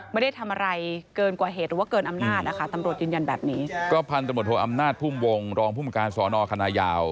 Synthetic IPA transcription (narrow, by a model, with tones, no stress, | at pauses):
ma˥˩da˥˩jt̪ʰa˧mʔa˧ɾa˧jkɤː˧nkwaː˨˩ɦeː˨˩t̪̚ɾɯː˩˦wa˥˩kɤː˧nʔa˧mnaː˥˩t̪̚ʔa˨˩a˥˩t̪a˧mɾu˨˩ət̪̚jɯː˧nja˧nbɛ̰ː˨˩p̚niː˦˥kɔː˥˩pʰa˧nt̪mu˨˩t̪hʰo˩˨˦ʔa˧mnaː˥˩t̪̚pʰuː˥˩mwo˧ŋɾɔː˧ŋpʰuː˥˩mkaː˧nsɔː˩˦nɔː˧kʰa˧naː˧jaː˧w